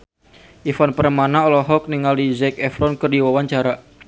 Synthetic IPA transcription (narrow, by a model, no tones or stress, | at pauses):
ʔifanpəɾəmanaɔlɔɦɔk̚niŋalizɛkɛfɾɔnkɨrdiwawaɲt͡ʃaɾa